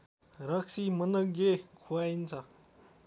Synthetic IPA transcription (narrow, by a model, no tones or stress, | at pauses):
ɾʌksimʌnʌkɡekʰuaint͡sʰʌ